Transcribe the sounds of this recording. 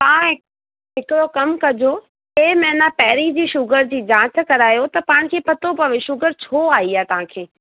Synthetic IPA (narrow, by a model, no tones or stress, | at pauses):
t̪ãːɦɪ | ɦɪkɪɽokɐmkɐd͡ʑo | eːmɛ̃ːɪnapɛːɾid͡ʑiːʃʊɡəɾd͡ʑiːd͡ʑãːt͡ɕkɐɾaːjot̪ɐpaːɽ̃kʰeːpɐt̪opɐʋeʃʊɡəɾt͡ɕʰoːaːiaːt̪ɐɦãkʰeː